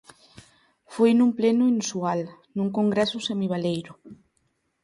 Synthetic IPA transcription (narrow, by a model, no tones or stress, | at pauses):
fojnũmplenuinsual | nũŋkõŋɡɾɛsusemiβ̞alejɾʊ